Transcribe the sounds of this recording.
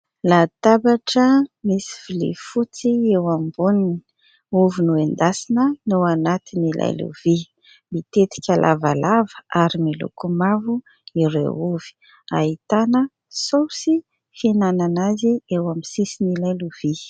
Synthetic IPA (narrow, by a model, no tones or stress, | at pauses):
lat̪abaʈ͡ʂəmisi̥v̥ilḭfut͡siewambunini̥ | uvinuend̪asinənuanat̪inilʔa̰jlṵv̥i | mit̪et̪i̥kʲalʔa̰valavəaɾimilṵkumavu | iɾḛuvi̥ | ait̪anə | sowsi | finananaziewamisisinilajluv̥i